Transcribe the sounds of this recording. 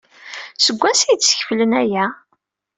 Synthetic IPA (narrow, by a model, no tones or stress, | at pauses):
səɡʷːæsijd̪t͡sːə̥çflənæjæ